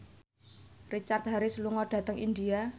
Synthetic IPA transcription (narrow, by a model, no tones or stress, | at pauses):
rit͡ʃart̪ɦaɾɪsluŋɔɖ̥ä̤t̪əŋindia